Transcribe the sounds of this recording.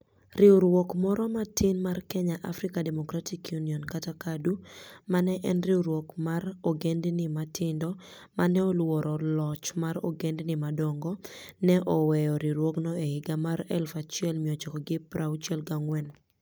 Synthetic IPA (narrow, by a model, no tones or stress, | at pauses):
rɪoɾwɔkmɔɾɔmatʰɪnmarkɛɲaʔafɾikademɔkɾatʰikjuniɔnkatakadumanɛʔɛnrɪoɾwokmarɔɡendnɪmatʰɪndɔ | manɛolwɔɾɔlɔt͡ʃmaɾɔ̰ɡendnɪmadɔŋɡɔnɛʔɔwɛjɔɾɪɾwoknɔehɪɡamaɾɛ̰lfat͡ʃjɛlmiot͡ʃɔkɔɡɪpɾawt͡ʃjɛlɡaŋwɛn